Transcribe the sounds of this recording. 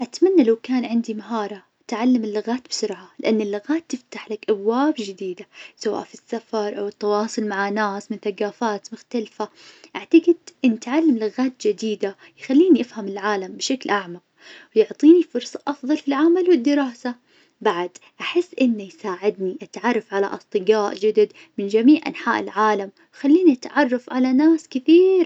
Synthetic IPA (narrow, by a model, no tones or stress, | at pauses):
ʔat̪manːalawkaːnʕɪnd̪imaɦɑːɾˤɑ | t̪ʕalːamɪlːʊɣaːt̪bɪsʊɾʕalɪʔanːɪlːʊɣaːt̪ːɪft̪aħlakʔabwaːbd͡ʒɪd̪iːd̪asawa̰ːʔfisːafɑɾˤʔawɪt̪ːɑwɑːsˤʊlmaʕanːaːsmɪnθaɡaːfaːt̪mʊxt̪alfaʔaʕt̪aɡɪd̪ʔɪnːt̪ʕalːamlʊɣaːt̪̚d͡ʒɪd̪iːd̪a | jxalːiːniʔɪfhamɪlʕaːlambɪʃaklʔaʕma | wjʊʕt̪ˤiːnifʊɾsˤɑʔɑfðˤɑlfilʕamalwɪd̪ːɪɾɑːsa | baʕd̪ʔaħɪsːʔɪnːjsaːʕɪd̪niʔat̪ʕɑrˤːɑfʕala̰ʔɑsˤt̪ˤɨɡaːʔd͡ʒad̪ad̪ | mɪnd͡ʒamiːʕʔa̰nħa̰ːʔɪlʕaːlam | xalːiːniʔat̪ʕɑrˤːɑfʕalanaːskɪθiːɾ